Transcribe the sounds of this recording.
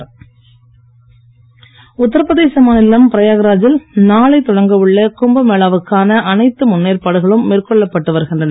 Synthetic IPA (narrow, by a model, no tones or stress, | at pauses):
ʊt̪ːɪɾɯpɐðeːsɐmaːnɪlːaːmpɪɾɐjaːɣɐɾaːd͡ʒɪlnaːɭɐɪt̪ːɔɽɐŋɡɐʋɯɭːɐkʊmbɐmeːɭaːʋɯkːaːnɐʔɐnɐɪt̪ːɯmʊnːeːɾpaːɽɯɣɐɭɯmːeːrkɔɭːɐpːɐʈːɯʋɐɾɯɣɪndrɐnɐ